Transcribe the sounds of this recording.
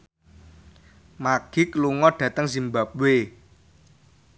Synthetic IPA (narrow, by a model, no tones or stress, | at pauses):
maɡ̥i̤kluŋɔɖ̥ä̤t̪əŋzimba̤p̚we